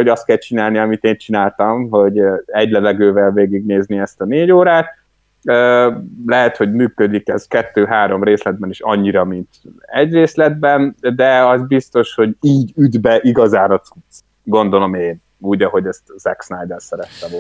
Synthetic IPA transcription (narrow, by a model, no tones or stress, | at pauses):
oɟɒst̪kɛlt͡ʃinaːlniɒmit̪eːnt͡ʃinaːlt̪ɒmɦo̞ɟɛɟlɛvɛɡøːvɛlveːɡiɡneːzniɛst̪ɒneːɟoːɾaːt̪ | øːlɛɦɛt̪ho̞ɟmyːkød̪ikɛzkɛt̪ːøːɦaːɾo̞mreːslɛd̪̚bɛniʃɒ̰ɲːiɾɒmint̪ɛɟreːslɛd̪̚bɛnd̪ɛɒzbist̪o̞ʃho̞ɟiːɟyd̪bɛʔiɡɒzaːnɒt̪ut̪s | ɡo̞nd̪o̞lo̞meːn | uːɟɒɦo̞ɟɛst̪zɛksnajd̪ɛlsɛɾɛt̪ːɛvo